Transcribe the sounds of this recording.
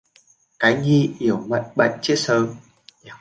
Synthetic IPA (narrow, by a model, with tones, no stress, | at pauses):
kaː˨˦jŋi˧ʔi˧˩əwmə̰˧˨jŋɓə̰˧˨jŋt͡ɕi˦˥ət̚səː˨˦m